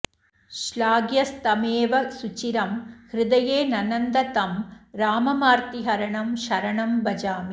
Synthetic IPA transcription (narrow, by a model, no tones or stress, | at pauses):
ʃlaːɡjɐst̪ɐmeːʋɐsʊt͡ʃiɾɐmhɾɪd̪ɐjeːnɐnɐnd̪ɐt̪ɐmɾaːmɐmaːɾt̪iɦɐɾɐɳɐmʃɐɾɐɳɐmbɐd͡ʒaːmi